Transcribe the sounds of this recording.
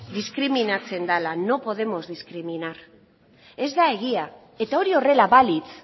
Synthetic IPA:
d̪iskɾiminat͡se̞nd̪alano̞po̞ð̞e̞mo̞zðiskɾiminaɾ | e̞zd̪ae̞ɣ̞ia | e̞t̪ao̞ɾio̞re̞laβalit͡s

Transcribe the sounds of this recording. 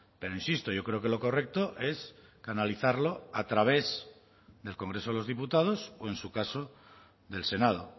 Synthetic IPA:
pe̞ɾoinsist̪o̞jo̞kɾe̞oke̞lo̞ko̞re̞k̚t̪oʔe̞s | kanaliθaɾlo̞at̪ɾaβ̞e̞z | ðe̞lko̞ŋɡɾe̞soelo̞zðiput̪aðo̞soe̞nsukaso | ðe̞lse̞nað̞o̰

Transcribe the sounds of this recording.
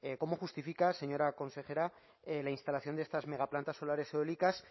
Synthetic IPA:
ekomoxust̪ifikase̞ɲo̞ɾako̞nse̞xe̞ɾa | lainst̪alaθjo̞nd̪eest̪azme̞ɣaplant̪aso̞laɾe̞seolikas

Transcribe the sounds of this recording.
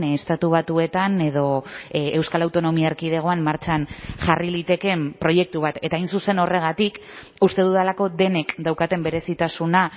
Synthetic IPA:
est̪at̪uβ̞at̪ue̞t̪ane̞ð̞o̞ewskalawt̪o̞no̞miaeɾkið̞eɣ̞o̞ammaɾt͡ʃanʝarilit̪e̞ke̞mpɾo̞je̞k̚t̪uβat̪e̞t̪aːjnsuse̞no̞re̞ɣ̞at̪ik | ust̪e̞ð̞uðalako̞ðe̞ne̞kd̪awkat̪e̞mbe̞ɾe̞sit̪asuna

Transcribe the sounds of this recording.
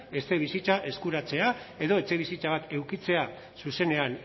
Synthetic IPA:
e̞st̪eβ̞isit͡saʔe̞skuɾat͡se̞ae̞ðo̞e̞t͡se̞β̞isit͡saβ̞at̪e̞wkit͡se̞a | suse̞ne̞an

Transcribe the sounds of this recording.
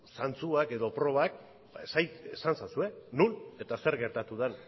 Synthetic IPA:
sant͡suake̞ðo̞pɾo̞βak̚ | esajt̪esansasue̞nune̞t̪ase̞ɾɣe̞ɾt̪at̪uðen

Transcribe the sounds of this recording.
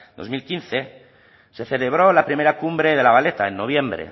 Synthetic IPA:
d̪o̞zmilkinθe̞ | se̞θe̞le̞β̞ɾo̞lapɾime̞ɾakumbɾe̞ðe̞laβale̞t̪aenːo̞β̞je̞mbɾḛ

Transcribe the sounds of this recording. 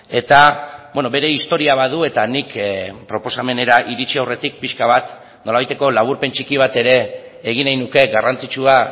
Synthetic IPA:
e̞t̪abweno̞βe̞ɾe̞ist̪o̞ɾiaβ̞aðue̞t̪anikpɾo̞po̞same̞ne̞ɾaʔiɾit͡ʃiawre̞t̪ik̚piʃkaβ̞at̪ | no̞laβajt̪e̞ko̞laβ̞uɾpe̞nt͡ʃikiβ̞at̪e̞ɾe̞ː | ɣ̞inajnuke̞ɡarant͡sit͡ʃua

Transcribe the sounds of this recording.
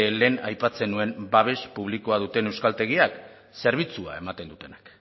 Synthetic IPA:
le̞ːna̰jpat͡se̞nue̞mbaβ̞e̞spuβ̞liko̞að̞ut̪e̞ne̞wskalt̪e̞ɣ̞iak | se̞ɾβ̞it͡sua̰e̞mat̪e̞nd̪ut̪e̞nak

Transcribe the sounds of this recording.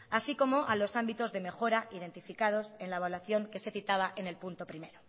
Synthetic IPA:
asiko̞mo̞ʔalo̞sambit̪o̞zðe̞me̞xo̞ɾaʔiðe̞nt̪ifikað̞o̞se̞nlaβalwaθjo̞ŋke̞se̞θit̪aβ̞aʔe̞ne̞lpunt̪o̞pɾime̞ɾo

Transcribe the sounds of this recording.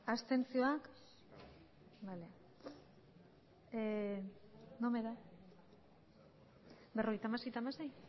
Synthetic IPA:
ast̪e̞nt͡sio̞ak | bale | nome̞ða | bero̞ɣ̞jt̪amase̞jt̪amasej

